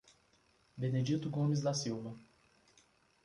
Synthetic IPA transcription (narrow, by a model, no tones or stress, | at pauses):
bened͡ʒit̪ʊɡõmɪz̬d̪asiwvɐ